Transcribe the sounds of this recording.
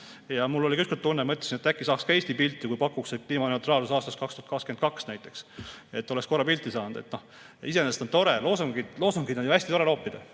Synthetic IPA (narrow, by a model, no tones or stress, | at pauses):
jɑmulːo̞likyskolt̪ːunːemɤt̪lesinet̪ːˑækːisɑːkskɑe̞ːst̪ipilt̪ːˑikujpɑkːˑuksekliːmɑneut̪rɑːlusɑːst̪ɑst̪kɑkst̪uhɑt̪kɑkskymen̚kɑksnæjt̪ːˑe̞kse̞t̪ːˑolesko̞rːɑpilt̪ːˑisɑːnd̪̥e̞̰t̪no̞h | ise̞nest̪o̞nt̪o̞ɾelo̞ːsɑŋɡid̪lo̞ːsɑŋɡid̪juæsʲt̪it̪o̞ɾe̞lo̞ːpːid̪ɑ